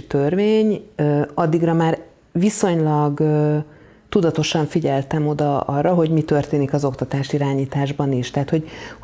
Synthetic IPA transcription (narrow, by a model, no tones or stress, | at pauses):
t̪ørveːɲøɒd̪ːiɡrɒmaːr | viso̞ɲlɒɡ | t̪ud̪ɒt̪o̞ʃɒɱfiɟɛlt̪ɛmo̞d̪ɒɒrːɒɦo̞ɟmit̪ø̞rt̪eːnikɒzo̞kt̪ɒt̪aːʃiɾaːɲiːt̪aːʒbɒniʃt̪ɛɦːt̪ho̞ɟ